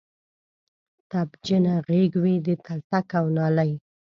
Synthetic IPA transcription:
t̪abd͡ʒənaɣeɡwid̪ət̪alt̪akawnɑlaj

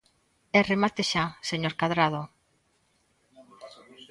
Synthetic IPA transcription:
ɛremat̪eʃaseɲoɾkaðɾað̞o

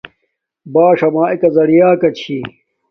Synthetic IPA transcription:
baːʂɐmaːikɐzɐɽijaːkɐt͡ɕʰi

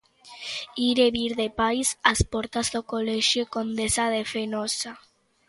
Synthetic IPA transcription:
iɾeβiɾðepajsaspoɾt̪azðokoleʃjokond̪esaðefenosa

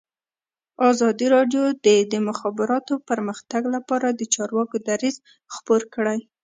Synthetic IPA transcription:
ɑzɑd̪iɾɑɖjod̪əd̪əmʊxɑbɪɾɑt̪opəɾməxt̪aɡlapɑɾad̪ət͡ʃɑɾwɑkod̪aɾiz | xpoɾkəɽaj

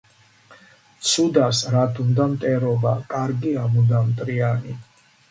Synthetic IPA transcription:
t̪sʰud̪asɾad̪umd̪amt̪ʼɛɾɔbakʼaɾɡiamud̪amt̪ʼɾiani

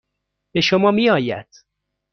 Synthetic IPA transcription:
be̞ʃomɒːmiːɒːjæ̰d̪̥

